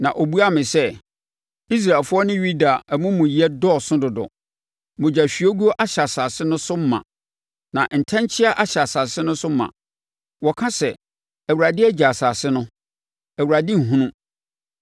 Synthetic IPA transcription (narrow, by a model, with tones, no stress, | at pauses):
nã˨ʔo˨bu˦a˦mɪ̃˨sɛ˦ | i˦s̬ɾa˨ɛ˨lfʊ˦ɔ˦nɪ̃˦ɥu˦da˨mʊ̃˦mũ˨ji˨˦ɛ˦dɔ˦˨sʊ̃˦dʊ˨dɔ̰˨ | mʊ̃˨d͡ʑa˨ɕᶣi˨o˦ɡu˦ɔ˦ʔa˦ɕa˨sa˨sɪ˦nʊ̃˦sʊ˦m̩˦mã̰˨ | nã˨n̩˨tʰã˦ɲ˦t͡ɕʰɪ˦a˦ʔa˨ɕa˨sa˨sɪ˦nʊ̃˦sʊ˦mã̰˨ | wɔ˨kʰã˦sɛ˨ | æ˨wu˨ɾa˨dɪ˦æ˦d͡ʑa˨sa˨sɪ˦nʊ̃˦ | æ˨wu˨ɾa˨dɪ̃˦ŋ̩˨ɦũ˦nũ˦